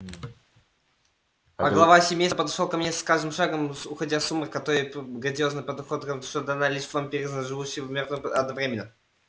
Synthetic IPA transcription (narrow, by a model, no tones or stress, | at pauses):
ɐɡɡlˠɐvasʲɪmʲejspəd̪ɐʂlolˠkɐmnʲeskaʐd̪ɨmʂaɡəmʊxɐdʲasumərkɐt̪oɾəjɡɾədʲɪoznɨjpəd̪ɐxot̪k̪ʂt̪od̪ɐnalʲiʂvampʲɪɾʲɪzʐɨvuɕːɪjvmʲernəɐd̪nɐvɾʲemʲɪnə